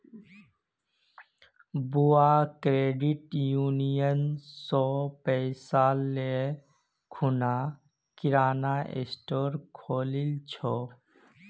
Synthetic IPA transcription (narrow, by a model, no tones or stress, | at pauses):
buakɾeːɖiʈjuːnijənsɔpɛɪsale | kʰuna | kɪɾaːnaʔḛsʈoːɾkʰoːlilt͡ʃʰɔ